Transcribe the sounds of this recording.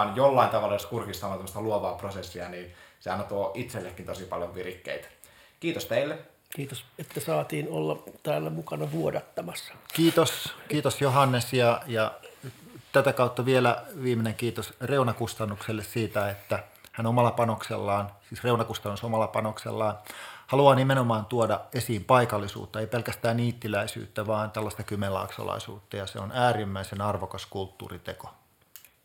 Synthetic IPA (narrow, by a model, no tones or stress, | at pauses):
njolːɑint̪ɑʋɑlːɑjoskurkist̪ɑmɑnt̪æmːəst̪ɑluoʋɑːprosesːiɑniːnseɑ̰nɑt̪uoːʔit̪selːekːint̪osipɑ̰ljoʋʋirikːḛit̪æ̥ | kiːt̪ost̪eilːe | kiːt̪oset̪ːæsɑːt̪iːnolːɑt̪æːlːæmukɑnɑʋuodɑt̪ːɑmɑsːɑ̥kiːt̪oskiːt̪osjoɦɑnːesjɑjɑ | t̪æt̪ækɑut̪ːɑʋielæʋiːmeneŋkiːt̪osreunɑkust̪ɑnːukselːessiːt̪æet̪ːæhænomɑlːˑɑpɑnoksḛlːɑːnsiːsreunɑkust̪ɑnːusomɑlːˑɑpɑnoksḛlːɑːnhɑluɑːnimenomɑːnt̪uodɑesiːmpɑikɑlːˑisṵːt̪ːɑeipelkæst̪æːniːt̪ːilæisy̰ːt̪ːæʋɑːnt̪ælːɑst̪ɑkymelɑ̰ːksɑ̰lɑ̰isṵːt̪ːɑjɑsḛonæːrimːæisenɑrʋokɑskult̪ːṵːrit̪eko̥